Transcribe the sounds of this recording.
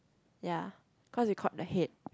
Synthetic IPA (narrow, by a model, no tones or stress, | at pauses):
ja | kʰɔswikʰɔt̚dəhet̚